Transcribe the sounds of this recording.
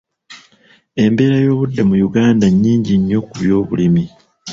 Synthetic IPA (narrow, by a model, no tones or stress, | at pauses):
e̞mbe̞ːɾajo̞ːβudːe̞mujuɡaːndaɲːiːɲɟiɲːo̞kuβjo̞ːβulimi